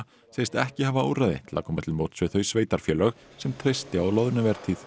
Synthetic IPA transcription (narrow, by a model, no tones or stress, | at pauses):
seːjst̪ɛhcɪhaːvaoːwrajðɪ̰t̪ʰɪla̰kʰɔːmat̪ʰɪlmowt̪svɪθœɥjsveːjt̪aɾ̥fjœːlœx | sɛmt̪ʰɾejst̪ɪaðlaːwðʏɾnavɛɾ̥t̪ʰiθ